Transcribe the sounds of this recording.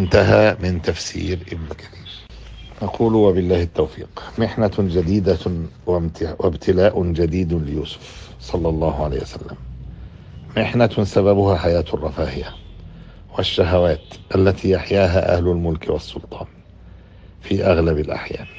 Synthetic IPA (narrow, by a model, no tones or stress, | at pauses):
ʔnt̪aɦaːmɪnt̪afsḭːɾʔɪbnkaɾiːʃ | nɑqʰuːlwabɪlːaːhɪt̪ːawfḭːqmɪħnad͡ʒad̪iːd̪awawʔabt̪ʰɪlaːʔʊd͡ʒad̪iːd̪lɪjuːsʊ̥f | sˤɑlːɑlˤːɑːhʕala̰ːhwa̰salːa̰m | mɪħnasababʊhaħajaːt̪ɑrˤːɑfaːhɪja | wɪʃːaɦawaːt̪ʔalːat̪ʰijaħjaːɦaʔa̰hlʊlmʊlkwɑsˤːʊlt̪ˤɑːn | fiːʔaɣlabɪlʔa̰ħja̰ː